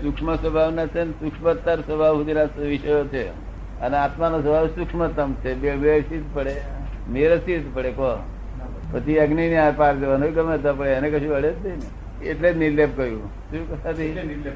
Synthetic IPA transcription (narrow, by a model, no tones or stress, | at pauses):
sukʂməsʋəbʱaʋnat͡ʃʰensukʂmət̪ːaɾsəbʱaʋɦud̪inasʋiʃəjot͡ʃʰe | əneat̪manosəbʱaʋsukʂmət̪əmt͡ʃʰebebesit̪pəɽe | meɾəsit̪pəɽekɔ | pət̪iəɡniniapaɾd̪eʋanoikəmət̪ap̬əɽeənekəʃũəɽet̪d̪en | ḛʈlenilːep̚kəjũ | ʃũːkəsat̪ii